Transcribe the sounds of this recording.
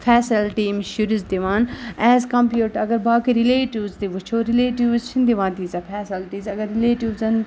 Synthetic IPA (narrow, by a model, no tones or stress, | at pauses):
fʰɛːsilʈiːmʃuɾizd̪iʋaːnɛːzkɐmpjuːʈɐɡɐɾbaːkiɾileːʈiʋzt̪iʋut͡ʃʰoːɾileːʈiʋzt͡ʃʰind̪iʋãːnt̪iːzɐfʰɛːsilʈiːzɐɡɐɾːileːʈiʋzɐn